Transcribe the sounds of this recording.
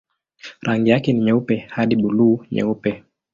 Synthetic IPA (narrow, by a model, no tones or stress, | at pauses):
ɾʔaŋɡijakɛniɲɛupɛhaɗiɓuluːɲɛ̰upɛ